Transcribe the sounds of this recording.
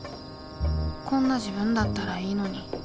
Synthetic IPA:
kõ̞nːaʑibɯ̟̃nd̪at̪ːaɾaiːno̞ɲ̟i

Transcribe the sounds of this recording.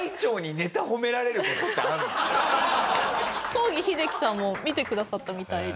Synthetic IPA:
it͡ɕo̞ːɲ̟ine̞t̪aho̞me̞ɾaɾe̞ɾɯoa | t̪o̞ːɡʲiçid̪e̞kʲi̥sãmːo̞mʲit̪e̞kɯ̟d̪asat̪ːamʲit̪ai

